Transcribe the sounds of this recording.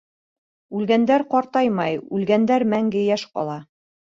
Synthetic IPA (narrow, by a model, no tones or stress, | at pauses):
ʉlɡænd̪æɾqɒɾt̪ɑjmɑjʉlɡænd̪æɾmæŋɡɘjæʃqɒ̰lˠɑ